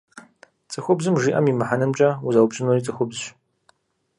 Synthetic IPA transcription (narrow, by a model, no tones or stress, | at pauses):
t͡sʼɨxʷʊbzɨmʒiːʔɐ̰mimɨħanɐmt͡ʃʼɐuzɐwpɕʼɪnorit͡sʼɨxʷʊbzɕ